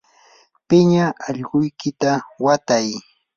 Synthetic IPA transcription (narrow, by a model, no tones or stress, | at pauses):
pɪɲaɑʎɢʊjkɪt̪awat̪aj